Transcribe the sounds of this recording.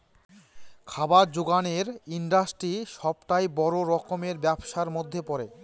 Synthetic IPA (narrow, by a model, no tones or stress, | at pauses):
kʰabaɾd͡ʑoɡaneɾiɳɖasʈɾiʃɔbʈajbɔɾoɾɔkomeɾbɛbʃaɾmod̪ʱːepɔɾe